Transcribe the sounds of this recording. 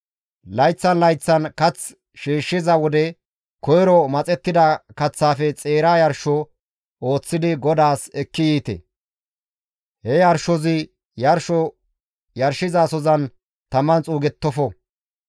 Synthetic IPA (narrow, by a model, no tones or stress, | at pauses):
lɐjt͡sːɐnlɐjt͡sːɐnkɐt͡s | ʃiːʃːɪzɐwɔd̪ɛ | kɔjɾɔmɐt͡sʼɛt̪ːɪd̪ɐkɐt͡sːaːfɛt͡sʼe̞ːɾaːjɐɾʃɔ | o̞ːt͡sːɪd̪ɪɡɔd̪aːsɛkːɪjiːt̪ɛ̰ | hɛjɐɾʃɔzɪ | jɐɾʃɔ | jɐɾʃɪzaːsɔzɐn | t̪ɐmɐnt͡sʼuːɡɛt̪ːɔfɔ